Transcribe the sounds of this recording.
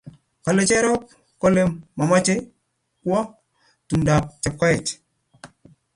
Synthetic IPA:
ka˨lːe˨t͡ʃe˦ɾo˦p̚ | ko˦le˦mːa˨ma˦t͡ʃe˦ | ku˦wa˦ | tu˨nda˨p̚t͡ʃe˨p̚ka˦je˨t͡ʃ

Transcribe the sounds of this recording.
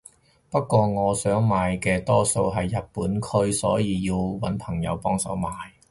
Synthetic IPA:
pɐ˥t̚kʷːɔː˧ŋɔː˨˧sœː˨˥ŋmaː˨jkɛː˧t̪ɔː˥so˧wɦɐ˨jːɐ˨t̚pːuː˨˥nkʰɵ˥ɥsɔː˨˥jiː˨˧jiː˧wwɐ˨˥npʰɐ˨˩ŋjɐ̰˨˧wpɔː˥ŋsɐ̰˨˥wmaː˨j

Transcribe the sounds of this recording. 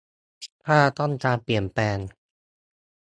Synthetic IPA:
t̪ʰi˦˥˩pʰaː˥˩t̪ɔ˥˩nt͡ɕaː˧pi˨˩ənpɛː˧n

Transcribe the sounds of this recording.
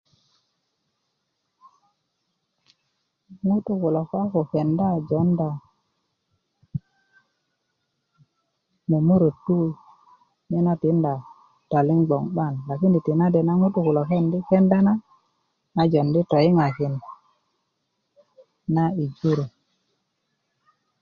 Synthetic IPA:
ŋu˦tu˦ku˨lo˨ka˦ko˨ke˨nda˦d͡ʒɔ˨˦nda˨ | mo˨mu˦ɾo˨tːu˦ | me˦na˦ti˨˦nda˨ | ta˨li˦ŋɡ͡bɔ˨ŋɓa˦˨nla˨ki˦ni˨ti˨na˦de˨na˦ŋu˦tu˦ku˨lo˨ke˦˨ndi˦ke˦nda˦na˦ | a˨d͡ʒo˨ndi˦tɔ˨ji˦ŋa˨ki˨n | na˦i˨d͡ʒu˦ɾo˨

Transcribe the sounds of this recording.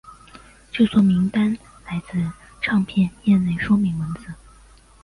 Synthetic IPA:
t͡ɕjo˥˧ʊt͡sʰwɔ˥˩mi˧˥ŋt̪a˥n | la˧˥ɪt͡sɹ̩˥˧ | ʈ͡ʂʰɑ˥˧ŋpʰjɛ˥˧njɛ˥˧nle˥˩ɪʂwɔ˥mi˧˥ŋwə˧˥nt͡sɹ̩˨˧˦

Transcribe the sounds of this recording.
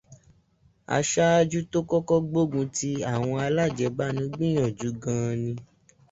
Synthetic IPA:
a̰˧ʃa˦a˦d͡ʒu˦to˦kɔ˦kɔ˦ɡ͡bo˦ɡũ˧ti˧a˦˨w̃ɔ̃˧a˧la˦˨d͡ʒɛ˧ba˦nũ˨˦ɡ͡bĩ˦j̃ɔ̃˨d͡ʒu˨˦ɡã˧nĩ˧

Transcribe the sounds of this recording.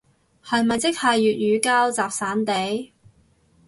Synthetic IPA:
hɐ˨jmɐ˨jt͡sɪ˥k̚hɐ˨jːyː˨t̚jyː˨˧kaː˥wt͡saː˨p̚saː˨˥nt̪e˨˥j

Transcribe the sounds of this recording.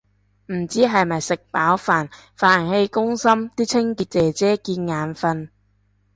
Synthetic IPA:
m̩˨˩t͡siː˨˥ɦɐ˨jmɐ˨˩jsɪ˨k̚paː˨˥wfaː˨˩nfaː˨˩nhe˧jkʊ˥ŋsɐ˥mt̪iː˥t͡sʰɪ˥ŋkiː˧t̚t͡sɛː˨t͡sɛː˥kiː˧nŋaː˨˥nfɐ˧n

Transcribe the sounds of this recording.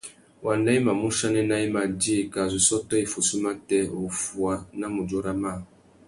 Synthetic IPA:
wa˨n˦da˦i˦mã˨mũ˦ʃa˦nẽ˦na˦i˦ma˨d͡ʒe˦˨ka˨z̬u˨sɔ˦tɔ˦i˨fo˨su˦mã˦tɛ˦o˨fu˨a˦nã˦mũ˨d͡ʒo˦ɾa˦mã˦˨

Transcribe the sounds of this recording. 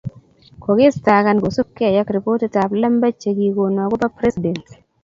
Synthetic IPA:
ko˨ɡɪ˦sta˨ka˨˦nɡo˨su˦kːe˦a˨ja˦kɾi˨po˦te˦ta˨pla˦mba˦t͡ʃe˨ɡi˨ko˨nwa˨ɡo˦pa˦pɾɛ˦si˨dɛ˨nt

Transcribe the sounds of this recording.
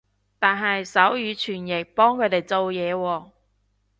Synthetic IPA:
t̪aː˨nɦɐ˨jsɐ˨˥wjyː˨˧t͡ʃʰyː˨˩njɪ˨˩k̚pɔː˥ŋkʰɵ˨˧˥t̪e˨˩jt͡so˨˧wjɛː˨˧wɔː˧

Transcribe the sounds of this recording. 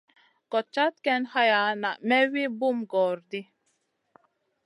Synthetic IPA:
kɔ˨t͡ʃːa˦t̪kɛ˦nha˦ja˨na˨ʔmɛ˦wi˦bu˦˨mɡɔː˨ɾd̪i˦

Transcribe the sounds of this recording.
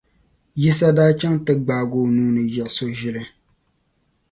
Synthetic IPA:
ji˦s̬a˦daː˦t͡ʃɛ˦ŋtɨ˦ɡ͡baː˨ɡoː˨nuː˦nɨ˨jɛ˨ʔso˦ʒɪ˦lɨ˦

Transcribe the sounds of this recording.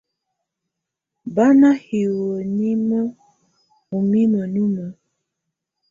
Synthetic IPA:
ba˦na˦hi˨wo˨ni˦mə˦ | u˨mi˦mə˨nu˦mə˨

